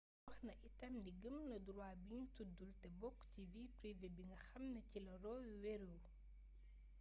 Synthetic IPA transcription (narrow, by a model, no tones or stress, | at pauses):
ɐxnɐʔitɐmdiɡəmnɐduɾwaːbiɲtudultɛbɔkːcivitɾivɛbiŋɡɐxɐmnɐcilɐɾɔːjuwɛɾuw